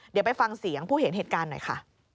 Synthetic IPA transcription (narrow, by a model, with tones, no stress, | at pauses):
dwpa˧jfa˧ŋsi˩˦əŋpʰuː˥˩he˩˦nɦeː˨˩t̪kaː˧nːɔ̰˨˩jxʰa̰˥˩ʔ